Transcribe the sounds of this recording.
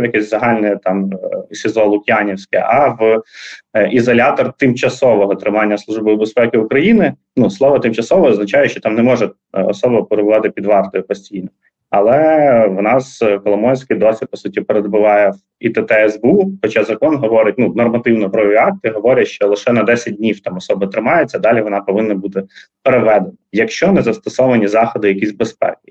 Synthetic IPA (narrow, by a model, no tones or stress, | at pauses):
jɐkʲɛsʲzɐɦɑlʲnɛt̪ɑmisʲɪzˠɔlˠʊkʲjanʲiwsʲkɛ̰ʔɐʋ | izɔlʲat̪ɔrt̪ɪmt͡ʃɐsɔʋɔɦɔt̪ɾɪmɑnʲːɐslˠuʒbɨwbespɛkɪukɾɐjinɪ | nuslˠɔʋɐt̪ɪmt͡ʃɐsɔʋɔɔznɐt͡ʃajɛʃt͡ʃɔt̪ɑmnɛmɔʒɛ | ɔ̰sɔbɔpeɾɪbʊʋɑt̪ɪpʲid̪ʋɑrt̪ɔjʊpɔsʲtʲijnɔ | ɐlˠɛʋnɑskɔlˠɔmɔjʲsʲkɪjd̪ɔsʲlʲit̪̚pɔsutʲipeɾed̪bʊʋɑjɛ | it̪ɛt̪ɛɛzbuxɔt͡ʃazɐkɔnɦɔʋɔɾɪt̚ʲnunɔrmɐt̪ɪwnɔɦɾɔʋʲiɑk̚t̪ɨɦɔʋɔɾʲɐʃt͡ʃɔlˠɪʃɛnɐd̪ɛsʲɐt̚ʲdʲnʲiwt̪ɑmɔsɔbɪt̪ɾɪmɑjet͡sʲːɐd̪ɑlʲiʋɔnɑpɔʋɪnːɐbud̪ɛpɾeʋɛd̪enɐjɐkʃt͡ʃɔnɛzɐst̪ɔsɔʋɐnʲizɑxɔd̪ɪjɐkʲizʲbespɛ̰kɪ̥